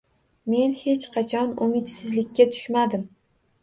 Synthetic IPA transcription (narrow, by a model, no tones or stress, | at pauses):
me̞nhe̞t͡ʃqʰɑt͡ʃʰɒnʊmɪt̪sɪzlɪkʲːat̪ʰʊ̥ʃmad̪ɪm